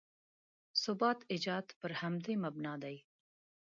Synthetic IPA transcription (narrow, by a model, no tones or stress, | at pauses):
sʊbɑːt̪ɪd͡ʒɑːd̪pəɾhamd̪ejmabnɑːd̪aj